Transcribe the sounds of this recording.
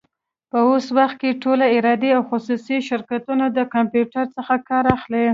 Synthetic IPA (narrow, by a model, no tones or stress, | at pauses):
pəoswaxt̪̚keʈolaɪɾɑd̪eawxʊsusiʃɪɾkat̪unad̪əkampjuʈaɾt͡səxakɑɾaxle